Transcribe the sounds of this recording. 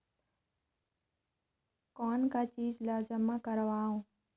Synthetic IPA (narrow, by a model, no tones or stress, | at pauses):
kɔːnkaːt͡ʃiːd͡ʒlaːd͡ʒəmakəɾʋaːɦũː